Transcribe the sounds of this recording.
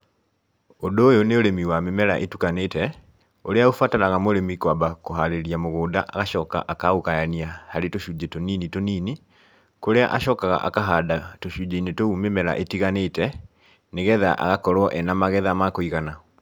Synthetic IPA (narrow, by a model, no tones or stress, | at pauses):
ondoːjoneoɾemiwamemɛɾa̰ʔetukanetɛ | oɾeaofwataɾaɣamoɾemikwabakoɦaɾeɾiamoɣoːdaʔa̰ɣaʃɔːka̰ʔakaɣokajaniahaɾetoʃuːd͡ʒetoninitoniːni | koɾea̰ʔaɕɔːkaɣa̰ʔa̰kaɦadatoɕud͡ʒeinetoumemɛɾa̰ʔetiɣaneːtɛ | neɣɛðaʔa̰ɣakɔɾwɔʔɛnamaɣɛðamakoiɣana